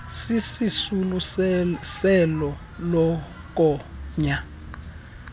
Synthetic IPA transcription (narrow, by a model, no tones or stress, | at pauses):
sisisulu | sɛlɔ | lɔ | k̬ʼɔɲa